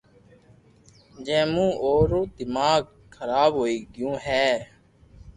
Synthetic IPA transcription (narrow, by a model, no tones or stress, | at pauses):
d͡ʒɛ̃ːmũːʔoːɾoːd̪ɪmaːɡ | kʰəɾaːbɦoːiːɡɪjũːɦɛː